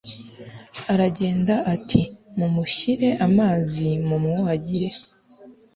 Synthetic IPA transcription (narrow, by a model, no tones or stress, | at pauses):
aɾaɟe̞ːndaʔatʰimumuʃiɾe̞ʔamaːzimumŋoaɟiɾe̞